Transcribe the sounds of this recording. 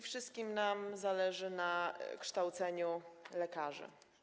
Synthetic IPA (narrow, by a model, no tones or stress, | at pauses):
fʂɘst̪̚kʲimnamzalɛʐɘnakʂt̪awt̪sɛɲulɛkaʐɘ̰